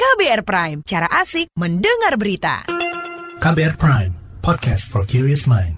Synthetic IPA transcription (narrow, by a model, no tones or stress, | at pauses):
kabeɛrpɾajmt͡ʃaɾaʔasɪk̚məndəŋarbəɾit̪a̰ | kabeɛɹpʰɹãjmpʰɔd̚kʰɛst̚fɔɹkʰjuɹiəsmãjn